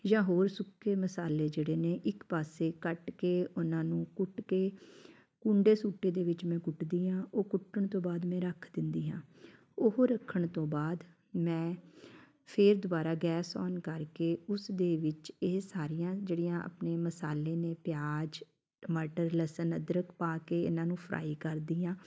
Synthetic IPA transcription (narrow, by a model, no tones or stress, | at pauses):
jãːɦoːɾsʊkʰːeːməsaːleːd͡ʒeːɽeːneːʔɪkpaːseːkəʈkeːʊnãːnũːkʊʈkeː | kũːɳɖeːsuːʈːeːd̪eːʋɪt͡ʃmɛ̃ːkʊʈd̪iːɦãːʔoːkʊʈːəɳt̪õːbaːd̪mɛ̃ːɾəkʰd̪ɪnd̪iːɦãː | ʊɦɾəkʰːəɳt̪õːbaːd̪ | mɛ̃ː | pʰɪɾd̪ʊbaːɾaːɡɛːsɔ̰ːnkəɾkeːʊsd̪eːʋɪt͡ʃeːsaːɾijãːd͡ʒeːɽiːjãːʔə̰pneːməsaːleːneːpɪjaːd͡ʒ | məʈəɾləsənəd̪ɾəkpaːkeːɪ̰nãːnũːpʰɾʔa̰ːiːkəɾd̪iːãː